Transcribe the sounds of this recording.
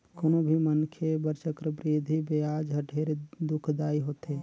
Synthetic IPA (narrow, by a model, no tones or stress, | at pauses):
konobʱimənkʰebəɾt͡ʃəkɾəbɾiːd̪ʱibejaːd͡ʒɦəʈʰeːɾed̪ʊkʰd̪aːiɦoːt̪eː